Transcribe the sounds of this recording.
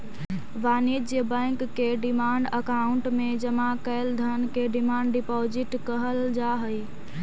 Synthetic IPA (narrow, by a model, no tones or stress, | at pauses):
ʋanid͡ʒjəbə̃ŋkːeɖimaɳɖəkauɳʈmed͡ʒəmakəɪld̪ʱənkeɖimaɳɖɖipɔd͡ʒiʈkəɦəld͡ʒaɦəj